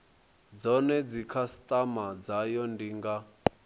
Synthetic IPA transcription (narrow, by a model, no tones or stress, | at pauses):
d͡zɔnɛd͡zikʰastʼamad͡zajɔndiŋɡa